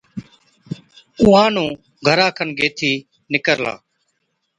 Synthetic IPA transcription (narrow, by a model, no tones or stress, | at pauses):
ʊ̃ːɦãːnũː | ɡʱəɾãːkʰənɡeːt̪ʰiː | nɪkəɾla̰ː